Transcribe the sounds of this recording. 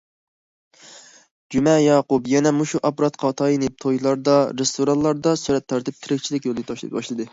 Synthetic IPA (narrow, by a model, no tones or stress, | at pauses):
d͡ʒumɛjɑːqʊpjɛnɛmuʃuʔɑpɾɑt̪qʰɑt̪ʰɑjinɨp̚t̪ʰojlˠɑɾd̪ɑɾest̪ʰuɾɑnlˠɑɾd̪ɑsyɾɛt̪ʰːɑɾt̪ɪp̚t̪ʰɪɾɪk̚ʲt͡ʃʰilɪkʲjolˠnɨt̪ʰɑʃlˠɨ̰bɑ̰ʃlˠɨd̪ɨ